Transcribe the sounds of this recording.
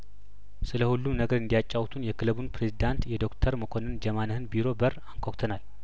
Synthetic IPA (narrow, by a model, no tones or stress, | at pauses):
sɨləhulːumnəɡəɾɨnd̪ijat͡ʃʼːawt̪ʰunjɛkʰɨlβunpʰɾe̞zid̪ant̪jɛd̪o̞kt̪ʰəɾməkʰo̞nɨnd͡ʒɛmanəhɨnbiɾo̞bəɾaŋkʰʷokt̪ʰənal